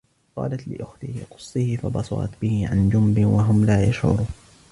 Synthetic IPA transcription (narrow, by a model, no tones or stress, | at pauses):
qɑ̰ːlat̪lɪʔʊxt̪ɪhɪqʊ̥sˤːɨhɪfabɑsˤɑ̰ɾˤɑ̰t̪bɪhɪʕa̰nd͡ʒʊmbɪwaɦʊmlaːjaʃʕʊ̰ɾˤuːn